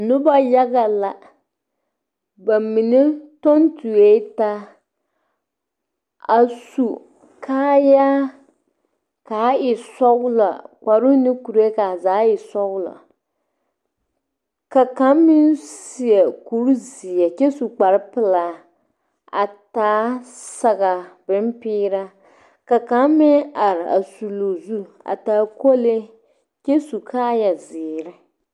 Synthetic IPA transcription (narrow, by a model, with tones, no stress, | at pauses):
nʊ˦ba˦ja˦ɡa˨la˨ | ba˨mi˨nɪ˦to˦n˦tu˨e˦ta˦ | a˨su˨ | kʰaː˦ja˦ | kaː˨˦ɪ˨sɔ˦ɡʊ˦la̰˨k͡pa˨ɾʊ˦nɪ˦ku˨ɾe˦ka˨zaː˨˦ɪ˨sɔ˦la̰˨ | ka˨ka˦mːɪ˦nsi˨ɛ˨ku˦ɾzi˨ɛ˨t͡ʃɛ˦su˨k͡pa˨ɾɪ˦pɪ˨la˨ | a̰˨taː˨˦sa˦ɣa˨bɪ˦mpɪː˦ɾa˦ | ka˨ka˦mːɪ˦na˨ɾɪ˨a̰˨su˨lo˨zu˦ | a̰˨taː˨˦ko˦le˦ | t͡ʃɛ˦su˨kʰaː˦ja˨zɪː˨ɾɪ˦